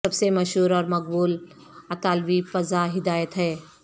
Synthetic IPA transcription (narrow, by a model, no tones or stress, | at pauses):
ɐbsemɐʃɦuːɾɔːɾmɐk̚buːl | ɐt̪aːlbifɐzaɦɪd̪aːjət̪ɦɛː